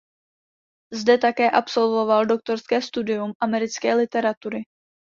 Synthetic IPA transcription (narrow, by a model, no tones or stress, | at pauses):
zdɛt̪akɛːʔapso̞lvo̞valdo̞k̚t̪o̞ɾskɛːst̪udɪjumʔamɛɾɪt͡skɛːlɪt̪ɛɾat̪uɾɪ